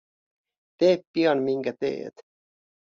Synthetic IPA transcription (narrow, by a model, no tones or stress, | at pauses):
t̪eːppiɑnmiŋkæt̪ḛːt̪